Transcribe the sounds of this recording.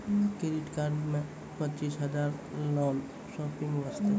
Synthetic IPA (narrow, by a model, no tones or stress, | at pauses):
keɾɪʈkaɾmẽ | pət͡ʃiːsɦɐd͡ʒaːɾlɔːn | ʃɔːpɪ̃ŋɡʋəst̪ʰi